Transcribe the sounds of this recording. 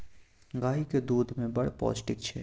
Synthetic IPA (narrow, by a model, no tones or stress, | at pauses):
ɡaːiked̪uːd̪mẽbɐɽpɔ̰ːt͡ʃʈɪkt͡ʃʰɛː